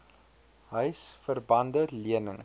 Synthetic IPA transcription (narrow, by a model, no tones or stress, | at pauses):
ɦœɥsfərbɐndəliənəŋ